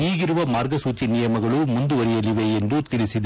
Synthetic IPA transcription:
iːɣɪɾɯʋɐmaːɾɡɐsuːt͡ʃinɪjɐmɐɣɐɭumʊnd̪uʋɐɾɪjɐliʋeend̪ut̪ɪɭɪsɪd̪ɐ

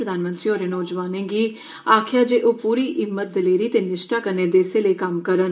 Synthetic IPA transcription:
əd̪aːnmə̃nt̪ɾiːoːɾeːnɔːd͡ʒʋaːnẽːɡiː | aːkʰjaːd͡ʒeːʔoːpuːɾiːʔɪmːət̪̚d̪əleːɾiːt̪eːnɪʃʈaːkəneːd̪eːseːləiːkɐmkəɾən

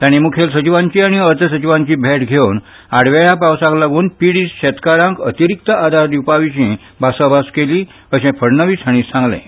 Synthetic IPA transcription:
t̪jañimukʰjelsət͡ɕiʋãɲt͡ɕiːaɽ̃iət̪əsət͡ɕiʋãɲt͡ɕiːbʱeʈɡʱewn | aɽʋajapawsãklaɡuːnpiɽiːsɕɛt̪kaɾãŋkət̪iɾik̚t̪əʔad̪ʱaɾd̪jupaʋiɕĩ | basabaskeliː | əɕɛ̃pʰəɽnəʋiːsʰaɽ̃iːsãŋɡlḛ̃

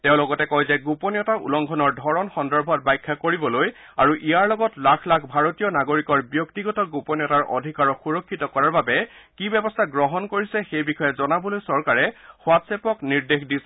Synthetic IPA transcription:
tɛʊ̃lɔɡɔtɛkɔjzɛɡupɔnijɔtaʔṵlɔŋɡʱɔnɔɹdʱɔɹɔnxɔndɔɹbʱɔt̚bajkʰːakoɹibɔloj | aɹuʔijaɹlɔɡɔtlakʰlakʰbʱaɹotijɔnaɡoɹikɔɹbjɔktiɡɔtɔɡupɔnjɔtaɹʔo̰dʱikaɹɔxuɹɔkʰːitɔkɔɹaɹbabɛkibɛbɔstʰaɡɹɔɦɔnkoɹisɛxejbixɔjɛzɔnabɔlojsɔɹkaɹɛxwatsepɔkniɹdexdis

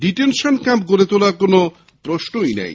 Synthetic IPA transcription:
ɖiʈenʃonkampk̬oɾet̪olaɾkono | pɾoʃnojnɛ̰j

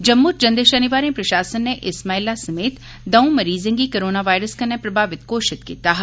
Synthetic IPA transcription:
d͡ʒɐmːuːɾd͡ʒɐ̃nd̪eʃɐniʋaːɾĩpɾɐʃaːsənːeʔɪsmaːilasɐmeːt̪ | d̪ɐũmɐɾiːzə̃ŋɡikɐɾoːnaʋaːjɾəskɐnːepɾɐbʱaːʋɪt̪koːʃɪt̪kiːt̪aːɦ

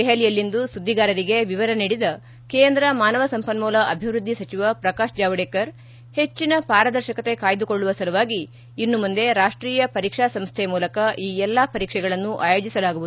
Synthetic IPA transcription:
ɛɦɐlijɐlːind̪usud̪ːiɡaːɾɐɾiɡe̞ʋiʋɐɾɐniːɽid̪ɐ | keːnd̪ɾɐmaːnɐʋɐsɐmpɐnmuːlɐʔɐbʱiʋɾud̪ʱːisɐt͡ʃiʋɐpɾɐkaːʃd͡ʒaːʋɐɽeːkɐɾ | he̞t͡ʃːinɐpaːɾɐd̪ɐɾʃɐkɐt̪e̞kaːjid̪uko̞ɭːuʋɐsɐɾuʋaːɡiː | nːumund̪e̞ɾaːʂʈɾiːjɐpɐɾiːkʂaːsɐmst̪ʰɛmuːlɐkɐʔiːɛlːapɐɾiːkʂɛɡɐɭɐnːuʔaːjo̞ːd͡ʒisɐlaːɡuʋud̪u

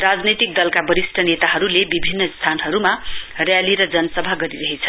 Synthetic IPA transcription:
rad͡znʌjt̪ik̚d̪ʌlkabʌɾisʈʰʌnet̪aɦʌɾulebibʱinːʌst̪ʰanɦʌɾumarjaliɾʌd͡zʌnʌsʌbʱaɡʌɾiɾʌɦet͡sʰʌ

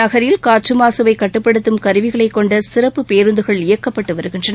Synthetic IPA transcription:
ɐɣɐɾjɪlkaːʈrɯmaːsɐʋɐɪkːɐʈːɯpːɐɽɯt̪ːɯmkɐɾɯʋɪɣɐɭɐɪkːɔɳɖɐsɪrɐpːɯpeːɾɯnd̪ɯɣɐɭɪjɐkːɐpːɐʈːɯʋɐɾɯɣɪndrɐnɐ

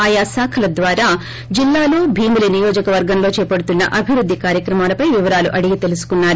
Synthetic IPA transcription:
aːjaːsaːkʰɐlɐd̪ʋaːɾaː | d͡ʒilːaːlo̞ːbʱiːmulinijoːd͡ʒɐkɐʋɐɾɡɐmlo̞ːt͡ʃɛːpɐɽut̪unːɐ̰ʔɐbʱiʋɾud̪ʱːikaːɾjɐkɾɐmaːlɐpɐjʋiʋɐɾaːluʔɐɽiɡit̪e̞lusu̥kunːaːɾu

